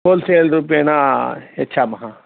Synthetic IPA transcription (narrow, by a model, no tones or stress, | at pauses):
oːlseːlɾupenaetːʃʰamɐɦãː